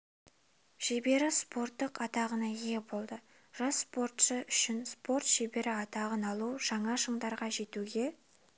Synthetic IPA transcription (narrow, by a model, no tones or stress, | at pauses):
ʒ̥ebe̞ɾɪspo̞ɾt̪ːəqɑt̪ɑʁənɑijebo̞lˠd̪ə | ʒ̥ɑspo̞ɾt̪ʃəʔʏʃɪnspo̞ɾt̪ʒebe̞ɾɪɑt̪ɑʁənɑlˠuʒ̥ɑɴɑʃəɴd̪ɑɾʁɑʒe̞t̪uɡʲe̞